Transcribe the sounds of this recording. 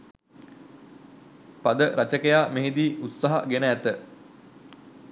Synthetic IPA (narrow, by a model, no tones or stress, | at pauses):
pad̪əɾat͡ʃəkejaːmeɦed̪iːʔut̪saɦa̰ɡenəæt̪ə